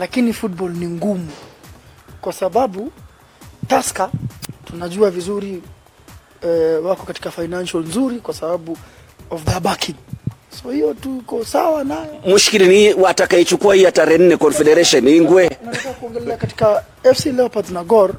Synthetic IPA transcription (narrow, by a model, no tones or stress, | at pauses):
lakinifut̚bɔlniŋɡumu | kwasaɓaɓu | taskatunaʄuavizuɾi | wakɔkati̥kafainanʃɔlnzuɾikwasaɓaɓu | ɔfdaɓakʰiŋsɔhijɔtuikɔsawanajɔmuʃi̥kilinwatakait͡ʃukuahijataɾɛn̩nɛkɔnfɛɗɛɾɛʃɔniŋɡwɛnazɛakuɔŋɡɛzɛakati̥ka | ɛfsilɛɔpaznaɡɔɾ